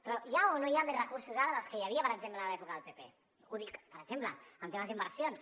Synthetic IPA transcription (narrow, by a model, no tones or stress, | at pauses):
pɾɔjaonojaderəkuɾsuzaɾaðəlskejaβiapəɾekzemplaːlɛpukaðelpepe | uðikpəɾeɡzemplə̰amt̪emazemaɾasjons